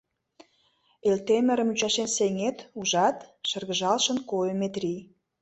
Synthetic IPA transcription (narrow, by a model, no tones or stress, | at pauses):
elt̪emə̆ɾə̆myt͡ɕɑʃenseŋet̪uʒɑt̪ʃə̆rɣə̆ʒɑlʃə̆nkojəmet̪rʲij